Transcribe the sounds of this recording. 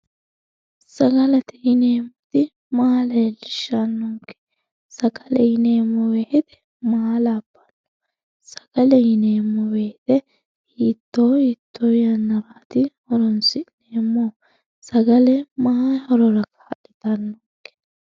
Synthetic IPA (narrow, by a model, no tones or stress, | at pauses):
sɐɡɐlɐt̪ɪjɪneːmːɔt̪ɪ | maːlɐlɪʃːanːɔŋkɛ̥ | sɐɡɐlɛjɪneːmːɔwehɪt̪ɛ̥ | maalaːbːɐ̥nːɔ̥ | sɐ̥ɡ̥ɐlɛjɪneːmːɔbeːt̪ɛ | hiːt̪ːoːit̪ːɔjɐnːɐɾaːt̪ɪhɔɾɔnsɪneːmːo | sɐɡɐlɛmahahɔɾɔɾɐkḁɐɗɪt̪ɐnːɔŋkːɛ̥